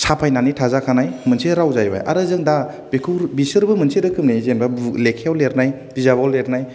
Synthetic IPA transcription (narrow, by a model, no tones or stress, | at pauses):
sʰapʰajnanitʰazakʰanajmɯnseɾawzajba̰jʔa̰ɾɯzɯŋda | bekʰuɾbisɯɾbɯmɯnsiɾɯkʰɯmnezembalekʰeawleɾnaj | bizabɔlːeɾnaj